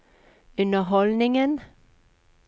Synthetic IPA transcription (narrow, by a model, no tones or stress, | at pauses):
ʉnəɦɔlnɪŋən